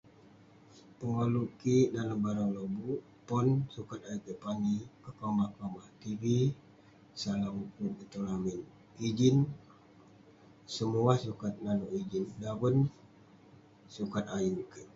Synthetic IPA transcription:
pəŋoluʔkidalabaɾalobuʔ | pɔnsukat̪ajikəpaŋikəkamakamaht̪ivi | salamukukit̪olamin | id͡ʒin | səmuasukat̪̚nanoʔid͡ʒindawən | sukat̪ajukə

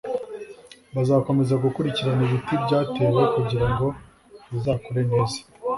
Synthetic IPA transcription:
βazaːko̞me̞zaɡukuɾiciɾaniβitibɟaːtewe̞kuɟiɾaŋɡo̞ | βizaːkoɾe̞neːzi̥

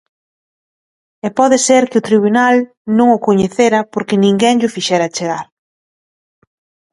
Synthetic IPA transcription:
ɛpɔðeseɾkɪʊt̪ɾiβunal | nõŋʊkoɲeθeɾɐpoɾkɪnĩŋɡɛŋʎʊfiʃɛɾɐt͡ʃeɣaɾ

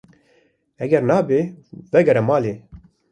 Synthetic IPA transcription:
ɛɡɛɾnaːbeːvɛɡɛɾɛmɑːleː

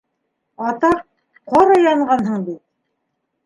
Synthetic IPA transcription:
ɑt̪ɑq̚ | qɑɾɑjɑɴɢɑnɦɤɴbit̪̚

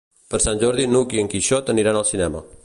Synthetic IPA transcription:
pəɾsanʲʒɔɾðinukiəŋkiʃot̪əniɾanəlˠsinɛmə̰

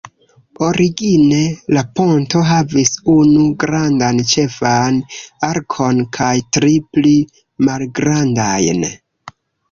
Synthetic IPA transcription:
o̞ɾʔiɡine̞lapo̞nto̞ɦavisunuɡɾandant͡ʃe̞fanaɾkʰo̞nkʰajtɾipli | malɡɾandajn

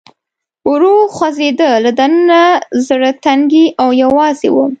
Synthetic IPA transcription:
uɾoxwazed̪əlad̪anənazɽət̪aŋɡiʔawjawɑzḛwə

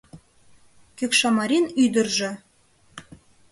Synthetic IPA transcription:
køkʃɑmɑɾʲinyd̪ɘ̆rʒɘ̆

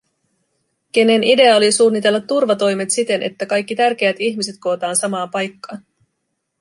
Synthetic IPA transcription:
k̟e̞ne̞nide̞ɑo̞lisuːnːit̪e̞lːɑt̪ːurʋɑt̪o̞jme̞t̪sit̪e̞nʔe̞̰t̪ːækɑjk̟ːit̪ærk̟eæt̪içmise̞t̪̚ko̞ːt̪ɑːnsɑmɑːpɑjkːɑːn

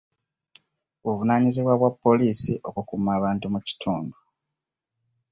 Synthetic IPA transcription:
βuvunaːɲiziβwaβwapːo̞liːsiʔo̞kukumaːβaːntumuci̥tʰuːndu

